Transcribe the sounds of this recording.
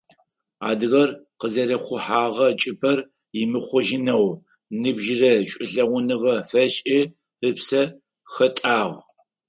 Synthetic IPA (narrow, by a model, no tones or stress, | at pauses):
a̰ːdɨɣɐrqəzɐrɐχʷʊħaːʁɐt͡ʃʼɪpʰɐr | jɪmɨχʷʊʒɪnɐw | nɨbʒɪrɐɕʷʼɪɬɐʁʷʊnɨʁɐfɐɕʼi | ɨpsɐ | xɐtʼaːʁ